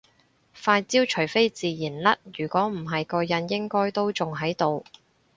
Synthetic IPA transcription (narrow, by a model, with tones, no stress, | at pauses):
faː˧jt͡siː˥wt͡ʃʰɵ˨˩jfe˥jt͡siː˨jiː˨˩nlɐ˥t̚jyː˨˩kʷɔː˨˥m̩˨˩ɦɐ˨jkɔː˧jɐ˨˥njɪ˥ŋkɔː˥jt̪o˥wt͡sʊ˨ŋɦɐ˨˥jt̪o˨w